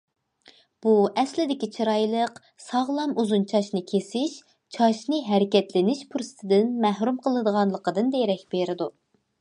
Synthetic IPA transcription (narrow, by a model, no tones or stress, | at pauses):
b̥uʔɛslɪd̪ɪkʲit͡ʃʰiɾɑjlˠəq | sɑʁlˠɑmuzunt͡ʃʰɑʃnɨkʲʰesɪʃ | t͡ʃʰɑʃnɨɦɛɾɪkʲɛt̪lɪnɪʃpʰuɾsɨ̥t̪ʰɪd̪ɪnmæhɾumqʰəlˠɨd̪əʁɑnlˠəqəd̪ɨnd̪ejɾɛkʲbeɾɪd̪u